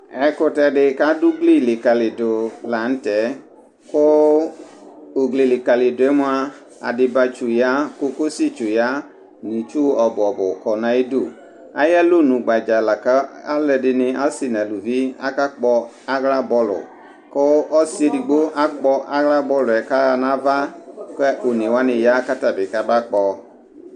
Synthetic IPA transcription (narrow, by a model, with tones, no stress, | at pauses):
ɛ˧kʊ˧tɛ˧dɪ˧ka˦du˦ɡli˦˨lɪ˨ka˨lɪ˨dʊ˨la˨n̩˦tɛ˨˦ | kʊ˦˨ | ɡle˨lɪ˨ka˨lɪ˨dʊ˨ɛ˦mʊ˦a˧ | a̰˨dɪ˧ba˧t͡ʃu˨ja˦ko˧ko˦si˦t͡ʃu˨ja˦ | nĩ˨t͡ʃu˦ɔ˨bʊ˨ɔ˨bʊ˨kɔ˨nã˨e˦do˦˨ | a̰˦jɛ˦lo˦˨nũ˨ɡ͡ba˨d͡ʒa˨la˨ka˦a˦lɛ˧dɪ˧nɪ˧a˦si˦˨na˨lu˨vi˦a̰˦ka˦k͡pɔ˧ | a˦ɣla˦bɔ˧lʊ̰˨ | kɔ˦ɔ˦se˧di˨ɡ͡bo˦ʔa˦k͡pɔ˧ʔa˦ɣla˦bɔ˧lʊ˨ɛ˨ka˦˨nã˦va˦kɛ˦o˨ni˨wa˦nɪ˨ja˦ka˦ta˨bɪ˨ka˦ba˦k͡pɔ˧